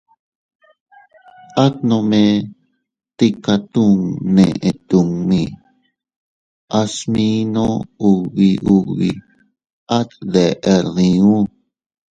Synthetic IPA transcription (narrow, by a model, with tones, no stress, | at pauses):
a˦t̪̚nõ˧mẽ˧ | t̪i˧ka˧t̪u˦˧ŋnẽ˧ʔẽ˧˨t̪u˧ŋmĩ˧ | a˧smĩ˦nõ˦u˧βi˧ʔu˧βi˨ | a˦t̪d̪e˨ʔe˧ðĩ˧ũ˦